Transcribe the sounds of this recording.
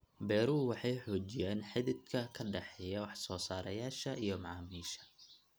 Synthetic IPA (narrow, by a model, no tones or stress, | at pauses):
bɛːɾʊwɑħɑjħɔːt͡ʃɪjaːnħɪðɪd̪kʰɐkʰɐɖɛħɛjɐwɑħsɔːsaːɾɐjaːʃɐʔijɞmɑʕɑːmiːʃɐ̥